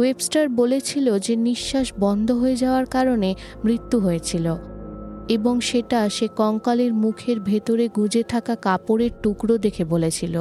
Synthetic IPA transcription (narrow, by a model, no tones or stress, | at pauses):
websʈaɾbolet͡ɕʰilod͡ʑeniʃːaʃbɔnd̪ʱoɦoed͡ʑaoaɾkaɾone | mɾit̪ːuɦojet͡ɕʰilo | eboŋʃeʈaʃekɔŋkaliɾmukʰeɾbʱet̪oɾeɡʱud͡ʑet̪ʰakakapoɾeɾʈukɾod̪ekʰebolet͡ɕʰilo